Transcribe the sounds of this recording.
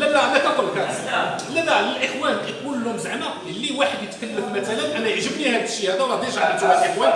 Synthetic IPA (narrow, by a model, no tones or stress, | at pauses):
lælːæmæk̪ækʊlːkælælæləlʔəxwænkiqulːʊmzəʕmæ | əlːiwaħəd̪jət̪kəlːəfmæt̪ælənʔænæjəʕʒəbnihæd̪əʃːihæd̪æwlɑd̪iʒʕəd̪iælʔəxwæn